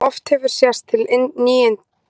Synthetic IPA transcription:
ɔft̪hɛvʏɾ̥sjast̪ʰɪlnːiːjɪnt̪

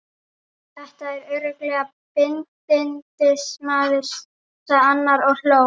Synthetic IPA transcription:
θɛht̪aɛɾœːɥɾœklɛːɣa | pɪnt̪t̚pɪnt̪ɪsmaːðɪɾ̥s | saanːaɾɔɣl̥oː

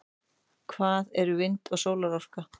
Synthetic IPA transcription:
kʰvaːðɛɾʏvɪnt̪ɔɣsoːwlaɾawr̥ka

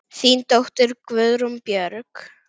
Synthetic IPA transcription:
θiːnt̪oht̪ʏɾkvœðɾʊmpjœɾk

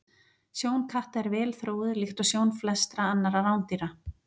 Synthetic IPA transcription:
sjoːwnkʰaht̪ɛɾvɛːlθɾoːwðɪðlɪxt̪ɔɣsjoːwnflɛst̪ɾaanːaɾaɾawnt̪iɾa

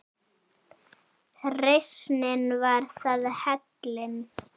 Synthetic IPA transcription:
rejsnɪnvaɾ̥θaðhɛt̪lɪn

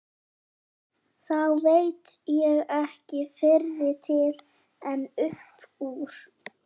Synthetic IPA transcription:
θawvejt̪ | jɛɣɛhcɪfɪrːɪt̪ʰɪl | ɛnʏhpuːɾ̥

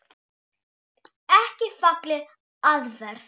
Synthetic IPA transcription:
ɛhcɪfaklɪ | aðvɛɾ̥θ

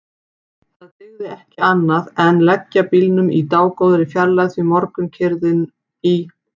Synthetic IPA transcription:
θaðt̪ɪɣðɪɛhcɪanːaðɛnlɛcːapilnʏmit̪aːwkowðɾɪfjaɾlaɣθvimɔɾkʏmcʰɪɾðɪn | i

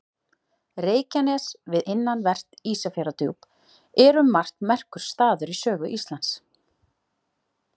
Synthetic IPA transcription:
reːjcanɛsvɪðɪnːanvɛr̥t̪iːsafɛɾat̪ṵwp | ɛɾʏmːar̥t̪nmɛr̥kʏɾ̥st̪aːðʏɾisœːɣʏʔist̪lant̪s

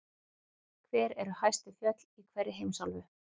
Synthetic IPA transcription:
kʰvɛːɾɛɾʏhajst̪ɪfjœt̪likʰvɛrːɪɦejmsalvʏ

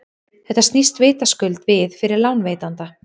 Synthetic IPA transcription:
θɛht̪ːast̪nist̪vɪːt̪askʏlt̪vɪðfɪɾɪɾlawnveːjt̪ant̪a

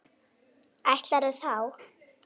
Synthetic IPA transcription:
ajht̪laɾɛθaw

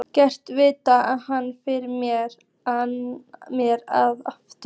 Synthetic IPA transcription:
cɛr̥t̪vɪːt̪aaðhanːfɪɾɪɾmjɛɾ | mjɛɾaðaft̪

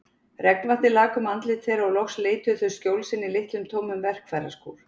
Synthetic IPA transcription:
rɛknvant̪ɪlaːkʏmant̪lɪt̪ʰθejɾaɔɣlɔxsleːjt̪ʏθœscjowlsɪnːɪlɪht̪lʏmt̪ʰoːwmʏmvɛr̥kfaːjɾa̰sko̰ːl

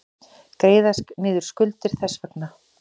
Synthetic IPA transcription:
kɾeːjðasknɪːðʏɾ̥skʏlt̪ɪɾ̥θɛsːvœkna

